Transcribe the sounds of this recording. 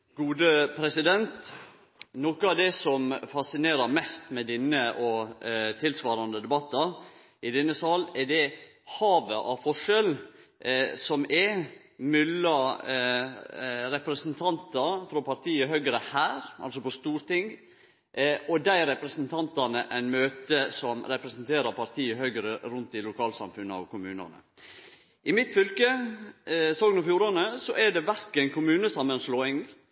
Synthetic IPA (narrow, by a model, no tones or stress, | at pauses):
ɡ̥uːd̪əpʰɾɛsɪd̪ɛnt̪ | nɔkəɑʋd̪ɛsɔmfɑsɪneːɾəɾmɛst̪mɛd̪ɪnːəʔɔt̪ʰɪlsʋɑːɾɑnd̪əd̪ɛbɑt̪ːɑ | ɪd̪ɛnːəsɑlɛd̪ɛ | hɑːʋəʔɑfɔʂɛl | sɔmɛ | mʏlːɑ | ɾɛpɾɛsnt̪ʰɑnt̪ɑfɾɔpʰɑɾt̪ʰiːəɦœʏɡɾəhæːɾʔɑ̰lsɔpɔst̪uːɾt̪ɪŋ | ʔɔd̪æɪɾɛpɾəsnt̪ʰɑnt̪ɑnəʔæɪnmøːt̪əsɔmɾɛpɾəsnt̪ʰeːɾɑɾpʰɑɾt̪ʰiːəhœʏɡɾəɾʉnt̪ɪlʊkʰɑːlsɑ̰mfʉnːəɑ̰ʋkʰʊmʉːnɑ̰nə̰ | ʔɪmɪt̪fʏlkə | soːɡnɔfjuːɾɑnəsɔʔɛɖɛʋæɾkənkʰʊmʉːnəsɑmːənsloːɪŋ